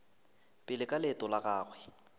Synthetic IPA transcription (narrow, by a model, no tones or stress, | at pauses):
pʼɪlɪkʼalɛtʼɔlaɣaːɣwɛ